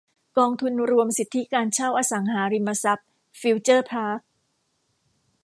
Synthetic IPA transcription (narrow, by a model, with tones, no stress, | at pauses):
kɔː˧ŋt̪ʰu˧nɾu˧əmsi˨˩t̪ʰːi˦˥kaː˧nt͡ɕʰaː˥˩wʔaː˧sa˩˦ŋɦaː˩˦ɾi˧mːa˧sa˦˥p̚ | fi˧˥wt͡ɕɤː˥˩pʰaː˦˥k̚